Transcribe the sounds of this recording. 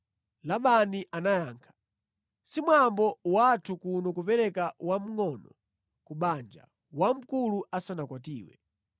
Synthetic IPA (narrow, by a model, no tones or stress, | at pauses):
laɓaniʔanajaːŋkʰḁ | simwambɔwatʰukunɔkupɛɾɛkawam̩ŋɔnɔ̰ | kuɓand͡ʒa̰ | wam̩kuluʔasanakwatḭːwɛ̰